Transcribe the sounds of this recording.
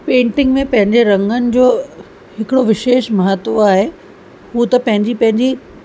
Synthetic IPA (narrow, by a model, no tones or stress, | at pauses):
pẽːʈɪ̃ŋɡmẽpɐ̃ɦɪ̃ɲd͡ʑeɾɐ̃ŋɡənɪ̆d͡ʑoː | hɪkɪɽoʋɪʃeːʃmɐɦət̪ːoaːɦe | ɦut̪ɐpɐ̃ɦɪ̃ɲd͡ʑipɐ̃ɦɪ̃ɲd͡ʑi